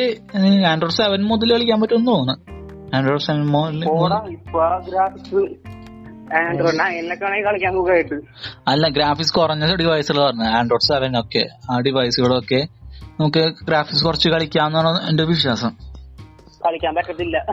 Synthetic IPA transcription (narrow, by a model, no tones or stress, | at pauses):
eaːɳɖro̞ːɖseʋɐnmuðɐlkɐɭikʲːaːmpɐtːuonːɨpoːɳɨ | aːɳɖroːɖseʋɐnmoɐlpoːɽaipːaɡɾaːfiksɨ | aːɳɖoːɖnaːelːɐkʲːaɳekɐɭikʲːaːnkukːaːjiʈːɨ | ɐlːɐɡɾaːfiksɨkurɐɲːɐɖiʋɐjsɨɣɐɭpɐɾnːɨaːɳɖroːɖseʋɐno̞kːe̞̰aːɖiʋɐjsuɣɐɭo̞kːe̞nɐmukːɨɡɾaːfikskurɐt͡ɕːɨkɐɭikʲːaːmenːaːɳendeʋiʂjaːsɐm | kɐɭikʲːaːmbɐkːɐt̪ːilːɐ